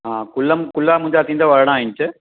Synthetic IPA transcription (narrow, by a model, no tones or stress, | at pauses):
aːkʊlːɐmkʊlːaːmʊɲd͡ʒaːt̪ːind̪ɐːʋɐɾɐɽãaːjɪnt͡ʃːɐ